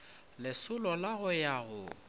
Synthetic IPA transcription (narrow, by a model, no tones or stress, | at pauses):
lɪsʊlɔlaɣʊjaɣʊ